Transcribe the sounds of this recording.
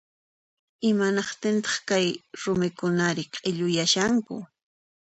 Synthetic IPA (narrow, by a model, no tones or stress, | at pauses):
ɪmanɑqt̪ɪnt̪̬ɑ̥χkajɾʊmɪkʊnaɾɪqʼɪʎʊjaʃaŋkʊ̰